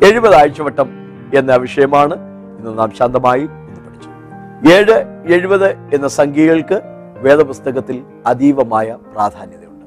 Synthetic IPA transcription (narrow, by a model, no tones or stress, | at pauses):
e̞ɻubɐðaːjt͡ɕːɐʋɐʈːɐm | e̞nːeɐʋɐʂɐjɐmaːɳɨ | inːonːaːmɕaːnd̪ɐmaːji | inipɐʈʰi̥t͡ɕːu̥ | eːɻɨe̞ɻubɐðɨe̞nːɐsɐŋɡiɣɐɭkɨ | ʋe̞ːðɐpust̪ɐɣɐt̪ːil | ɐd̪iːʋɐmaːjɐpraːd̪ʱaːnjɐðɐjuɳɖɨ̥